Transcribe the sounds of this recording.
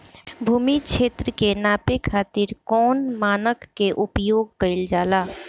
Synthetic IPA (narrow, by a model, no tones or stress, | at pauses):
bʱuːmiʃʰeːt̪ɾəkenaːpekʰaːt̪ɪɾkɔːnmaːnəkːeʔʊpjoːɡ̚kəɪld͡ʒaːlaː